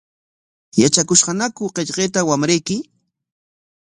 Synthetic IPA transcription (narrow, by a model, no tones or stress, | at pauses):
jat͡ʃakʊʃɢɑnakʊqeʎqeːt̪awamɾejkɪ